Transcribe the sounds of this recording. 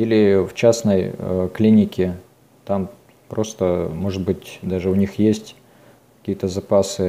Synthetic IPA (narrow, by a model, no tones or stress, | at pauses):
ilʲɪft͡ɕasnəjklʲinʲɪkʲɪ | t̪am | pɾo̞st̪əmo̞ʐɨt̪̚bɨtʲd̪aʐɨʊnʲixjesʲtʲ | kɐ̥kʲijət̪əzɐpasɨ